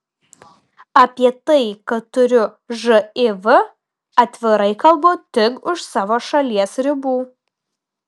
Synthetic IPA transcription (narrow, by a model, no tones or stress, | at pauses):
ɐpʲiɛt̪ɐɪkɐt̪ːʊɾʲʊ | ʒɨɪʋɨ | ɐt̪ʲʋʲɪɾɐɪkɐlˠboːt̪ʲɪkʊʃsɑːʋoːʃɐlʲiɛsɾʲɪbuː